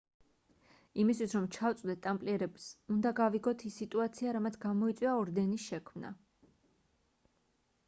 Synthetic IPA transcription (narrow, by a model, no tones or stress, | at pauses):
imist̪ʰwisɾɔmt͡ʃʰaft̪sʼd̪ɛt̪ʼampʼliɛɾɛbsund̪aɡaviɡɔt̪ʰisːit̪ʼuat̪sʰiaɾamat̪sʰɡamɔit̪sʼwiaɔɾd̪ɛnisʃɛkʰmna̰